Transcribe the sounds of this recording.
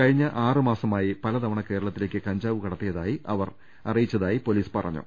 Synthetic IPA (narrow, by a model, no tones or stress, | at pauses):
kɐɻiɲːɐʔaːrɨmaːsɐmaːjipɐlɐd̪ɐʋɐɳɐke̞ːɾɐɭɐt̪ːile̞ːkʲːɨkɐɲd͡ʑaːʋɨkɐɽɐt̪ːijɐðaːjiʔɐʋɐr | ɐ̰rijit͡ɕːɐðaːjipo̞liːspɐrɐ̰ɲːṵ